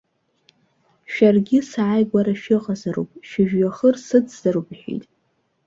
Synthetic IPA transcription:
ʃᶣarɡʲɪsaajɡʷaɾaʃᶣɪqʼazaɾṵpʼʃɪʒᶣɥaχərsɨt͡sz̥aɾubʼħʷᶣḭjtʼ

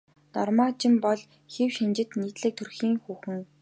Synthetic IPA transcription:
nɔrmaːt͡ɕɪ̆mpɔɮ | xewʃint͡ɕɪ̆t̪niːt̪ɮɘ̆k̚t̪ʰɵrxiːŋxuːxɘ̆ŋ

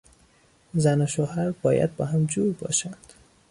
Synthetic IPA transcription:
zænoʃoɦæɾbɒːjæ̰d̪̚bɒːɦæmd͡ʒuːɾbɒ̰ːʃænd̪̥

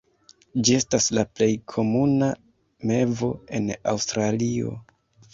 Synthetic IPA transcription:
d͡ʒie̞staslaple̞jkʰo̞muna | me̞vo̞e̞na̰wstɾalio̞̰

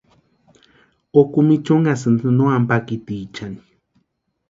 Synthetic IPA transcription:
okumit͡ʃoŋɡasɨnd̪ɨnoampakit̪iːt͡ʃani̥

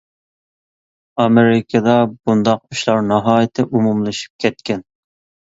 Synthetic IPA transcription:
ɑmeɾɪkʰɨd̪ɑbund̪ɑq̚yʃlˠɑɾnɑɦɑːjɪt̪ʰɪʔumumlˠɨʃi̥p̚kʲʰɛt̪kʲɛn

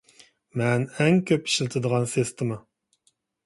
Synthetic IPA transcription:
mɛnɛŋkʲʰøpi̥ʃlɪt̪ʰɨd̪əʁɑnsest̪ʰɨmɨ

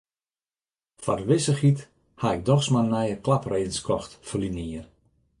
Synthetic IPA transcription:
fa̰rʋɪsəxit | haɪk̚dɔxsmanɛjəklapreːdən̩skʰɔxtfəliniər

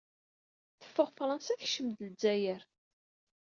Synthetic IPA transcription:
θə̥fːəʁfɾˤɑnsæθʃəmd̪ld͡zːæjəɾ

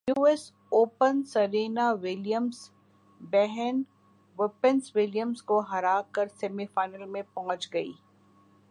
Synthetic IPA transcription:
juːɛs | oːpənsɐɾeːnaʋɪlijəms | bɛɦɛn | ʋɪpənswɪljəmskoɦɐɾaːkəɾsɛːmifaːɪnəlmẽpɔɦɔ̃t͡ʃɡɐḭː

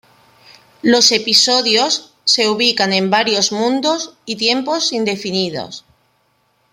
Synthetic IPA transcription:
lo̞se̞piso̞ðjosː | e̞uβ̞ikanẽ̞mbaɾjo̞zmũnd̪osit̪je̞mpo̞sind̪e̞finiðo̰s

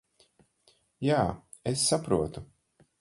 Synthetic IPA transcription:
jaː | esːapɾuɔt̪u

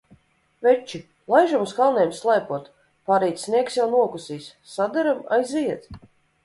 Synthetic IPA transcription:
vɛt͡ʃːi | lˠajʒumuskalˠnʲɛjmslˠajpuɔt̪ | paɾijt̪sniɛksjawnuɔkusiːssad̪ɛɾama̰jziɛt̪

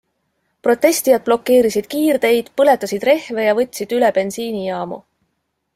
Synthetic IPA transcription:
pro̞t̪ːe̞st̪ijɑd̪̚b̥lo̞kːe̞ːɾisid̪̥kiːrd̪̥e̞jd̪̥pɤle̞t̪ːˑɑsid̪re̞hve̞jɑvɤt̪ʲːˑsid̪̥yleb̥e̞nsiːnijɑːmṵ

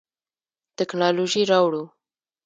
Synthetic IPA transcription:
t̪ɪknɑloʒiɾɑwɽu

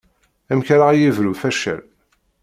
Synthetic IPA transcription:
æmçɾaæjivɾufæʃæ̰l

